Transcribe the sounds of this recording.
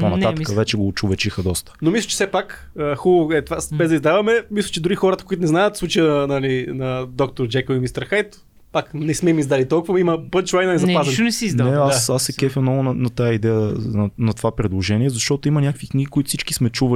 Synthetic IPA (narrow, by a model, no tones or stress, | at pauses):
ponɐt̪at̪əkəvɛt͡ʃɛɡoːt͡ʃʊvɛt͡ʃixəd̪ɔst̪ə̥nomislət͡ʃɛ̥sɛpak | əxubəvoɛt̪vasbɛzd̪əizd̪avɐmɛmislʲˠət͡ʃɛd̪ʊɾixɔɾət̪əkʊit̪ʊnɛznajət̪fsˠut͡ʃəjənɐnɐlinɐd̪ɔkt̪oɾd͡ʒɛkoimist̪əɾxajt̪ | paknɛsmɛmizd̪alit̪ɔlˠkʊvɐimɐpət̪t͡ʃlajnɐnɛzɐpazɐnnɛsiizdnɛasasːɛkɛfʲnɔɡʊnnɐt̪ajəid̪ɛjənɐt̪ovapɾɛd̪lˠoʒɛniɛzɐʃt̪ɔt̪oimɐnʲakəkvikniɡʲikoit̪ʊ̥fsit͡ʃki̥smɛt͡ʃuvə